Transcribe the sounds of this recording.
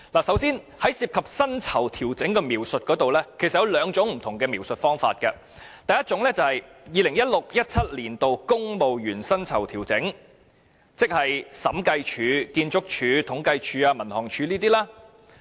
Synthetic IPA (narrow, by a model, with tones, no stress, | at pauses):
laː˨˩sɐ˨˥wsiː˥n | hɐ˨˥jsiː˧p̚kʰɐ˨p̚sɐ˥nt͡sʰɐ˨˩wt̪ʰiː˨˩wt͡sɪ˨˥ŋkɛː˧miː˨˩wsɵ˨t̚kɔː˨˥t̪o˨wlɛː˥kʰe˨˩sɐ˨jɐ˧wlœː˨˧ŋt͡ʃʊ˨˥ŋm̩˨˩t̪ʰʊ˨˩ŋkɛː˧miː˨˩wsɵ˨t̚fɔː˥ŋfa̰ː˧t̚kɐ̰˧ | t̪ɐ˨˧jɐ˥t̚t͡ʃʊ˨˥ŋlɛː˥t͡sɐ˨˧hɐ˨jjiː˨˧lɪ˨˩ŋjɐ˥t̚lʊ˨k̚jɐ˥t̚t͡sʰɐ˥t̚liː˨˩nt̪o˨wkʊ˥ŋmo˨wjyː˨˩nsɐ˥nt͡sʰɐ˨˩wt̪ʰiː˨˩wt͡sɪ̰˨˥ŋ | t͡sɪ˥k̚hɐ˨jsɐ˨˥mkɐ˧jt͡ʃʰyː˨˧kiː˧nt͡sʊ˥k̚t͡ʃʰyː˨˧t̪ʰʊ˨˥ŋkɐ˧jt͡ʃʰyː˨˧aː˧mɐ˨˩nhɔː˨˩ŋt͡ʃʰyː˨˧liː˥t̪iː˥laː˥